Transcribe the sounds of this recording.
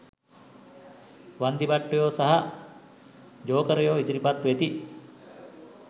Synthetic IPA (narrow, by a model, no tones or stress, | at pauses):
ʋɐnd̪ibɐʈːujoːsɐɦa | d͡ʒoːkɐɾɐjoːid͡ʒ̪iɾipat̪ːuʋet̪i